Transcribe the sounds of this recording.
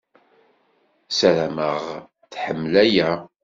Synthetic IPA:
səɾæməʁ | θħəmːlæjæ

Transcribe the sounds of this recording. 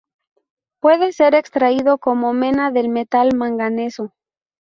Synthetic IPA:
pwe̞ðe̞se̞ɾe̞kst̪ɾaiðo̞ko̞mo̞mẽ̞naðe̞lme̞t̪almãŋɡane̞so

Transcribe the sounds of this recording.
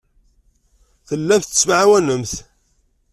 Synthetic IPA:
θəlːæftə̥smʕawænəmθ

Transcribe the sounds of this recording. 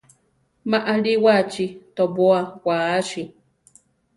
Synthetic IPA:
maʔaliwat͡ʃit̪oboawʷaːʃi

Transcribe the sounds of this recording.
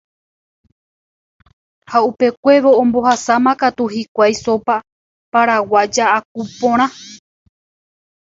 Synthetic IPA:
haupe̞kʷe̞ʋoõmbo̞hasamãkat̪uhikʷajso̞pa | paɾawad͡ʒaʔak̚upõɾ̃ã

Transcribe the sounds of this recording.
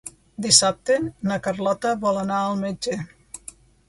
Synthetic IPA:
d̪isap̚t̪enəkərlɔt̪əβɔlənaəlˠmed͡ʒe

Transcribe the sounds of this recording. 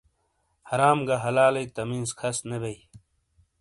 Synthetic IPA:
hɐɾaːmɡaɦɐlaːlɐjt̪ɐmĩːnskʰɐsnebɐj

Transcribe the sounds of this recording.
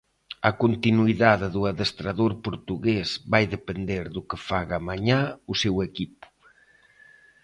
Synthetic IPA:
ɐkont̪inuiðaðɪðuaðest̪ɾaðoɾpoɾt̪uɣezβajðepend̪eɾðʊkɪfaɣamaɲausewekipʊ̥

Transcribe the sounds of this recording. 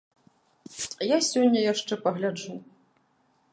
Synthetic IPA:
jasʲonʲːɐjaʂt͡ʂɛpɐɣlʲad͡ʐu

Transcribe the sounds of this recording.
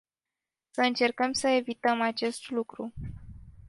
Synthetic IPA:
səɨnt͡ʃe̞rkəmsəe̞vit̪əmat͡ʃe̞st̪lukɾu

